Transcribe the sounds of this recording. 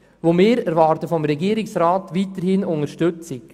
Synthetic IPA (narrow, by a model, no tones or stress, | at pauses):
ʋomeːɾɛɾʋɑːɾtəfɔmɾɛɡiːɾɪksɾaːtʋiːtəɾhɪnʊŋəʃtʏt͡sɪk